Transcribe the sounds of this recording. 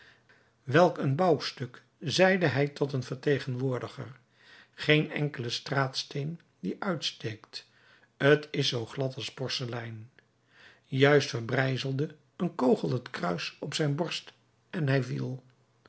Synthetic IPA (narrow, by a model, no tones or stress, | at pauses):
ʋɛlˠkənbɑwstɵk | zɛjdəɦɛjtɔtənvəɹtejχənʋʊːɹdəχər | χejnɛ̰ŋkələstraːtstejn | diʔœɥtstejkt | ətɪsowχlɑtɑlˠspɔɹsəlɛjn | jœɥstfəɹbrɛjzəlˠdə | ənkowχəlˠətkrœɥsɔpsɛjnbɔɹst | ɛnɦɛjvḭlˠ